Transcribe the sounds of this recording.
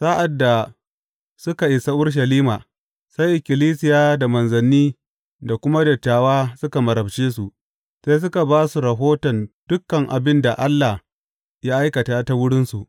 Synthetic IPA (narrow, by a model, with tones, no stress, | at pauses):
sa˦ʔa˨dːa˨ | sʊ˦ka˨ʔɪ˨sa˦ʔʊ˦ɽʃ̬ɐ˨liː˦maː˨ | sa˦jʔɪ˨kʲɪ˨liː˦sɪ˦jaː˦da˨mɐ˨nzɐ˨nːiː˦ | da˨kʷʊ˦ma˦dɐ˨taː˨waː˦sʊ˦ka˨mɐ˨ɾɐ˨bt͡ʃeː˦s̬u˨ʔ | se˦s̬ʊ˦ka˨baː˦su˨ɾɐ˨ɦoː˦tɔ˨nd̥ʊ˦kːɐ˨ŋʔa˨bɪ˦nda˨ʔa˦lːa˨h | ja˦ʔa˦jkɐ˨taː˦ta˦wʊ˦ɽɪ˦nsu˨ʔ